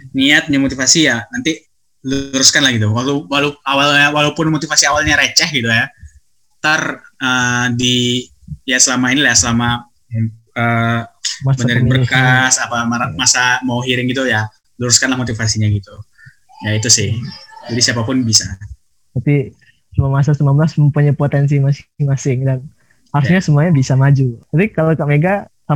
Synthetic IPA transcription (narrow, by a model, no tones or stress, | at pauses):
niat̪̚ɲamot̪ifasijanant̪i | luɾʊskanlahɡit̪̬uwakuwaloawalawalaupʊnmot̪ifasiawalɲaɾet͡ʃɛhɡit̪uja | t̪arədi | jasəlamainilajasəlama | ə | bənəɾɪnbərkkasapaaamasamawɦiɾɪŋɡit̪uja | luɾʊskanlahmot̪ifasiɲaɡit̪u | jait̪usɪhd͡ʒadisiapapʊnbisa | t̪api | səmuamas̬asət̪əmanbəlasməmpuɲapot̪ɛns̬imasŋmasɪŋdan | haɾusɲasəmuaɲabisamad͡ʒut̪apikalokaʔmeɡasa